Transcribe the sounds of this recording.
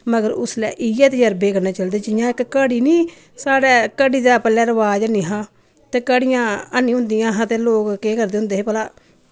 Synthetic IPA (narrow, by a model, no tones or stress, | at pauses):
məɡəɾʊslɛ̰ːʔɪjɛːt̪jəɾbeːkəɾnaːt͡ʃəld̪eːd͡ʒɪjãːɪkːəɽiːnĩː | saːɽɛːkəɽiːd̪aːpɛːlɛːɾəʋaːd͡ʒəniːɦãː | t̪eːkəɽɪjãːənːĩːɦʊ̃ːnd̪ijãːɦãːt̪eːloːkkeːkəɾd̪eːɦʊ̃ːnd̪eːɦeːpəlaː